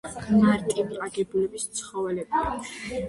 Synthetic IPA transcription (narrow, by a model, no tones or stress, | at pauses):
maɾt̪ʼimqʼaɡɛbulɛbist̪sʰχɔvɛlɛba